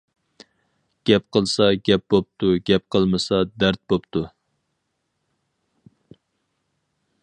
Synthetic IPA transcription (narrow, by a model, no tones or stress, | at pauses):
ɡ̥ʲɛp̚qʰəlˠsɑɡʲɛp̚bop̚t̪ʰuɡʲɛp̚qʰəlˠmɨsɑd̪æɾt̪̚bopt̪ʰu